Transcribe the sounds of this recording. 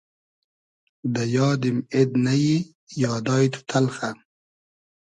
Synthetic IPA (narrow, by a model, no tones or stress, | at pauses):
d̪ɐjɑːd̪imed̪nɐji | jɑːd̪ɑːjt̪ʰu̥t̪ʰɐlχan